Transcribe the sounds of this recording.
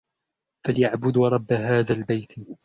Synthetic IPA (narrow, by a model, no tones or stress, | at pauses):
faljaʕbʊd̪ɾˤɑbːaɦaːðaːlbajt̪